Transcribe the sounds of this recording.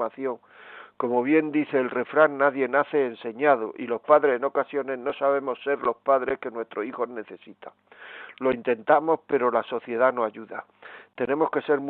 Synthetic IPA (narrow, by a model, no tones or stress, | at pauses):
maθjo̞ŋ | ko̞mo̞β̞je̞nd̪iθe̞ːlre̞fɾaŋːaðje̞naθe̞ːnse̞ɲað̞oʔilo̞spaðɾe̞seno̞kasjo̞ne̞ɦno̞saβ̞e̞mo̞sːe̞ɾlo̞spaðɾeske̞nwe̞st̪ɾoixo̞zne̞θe̞sit̪a | lo̞int̪e̞nt̪amo̞spe̞ɾo̞laso̞θje̞ð̞anoaʎuðat̪e̞ne̞mo̞ske̞se̞ɾm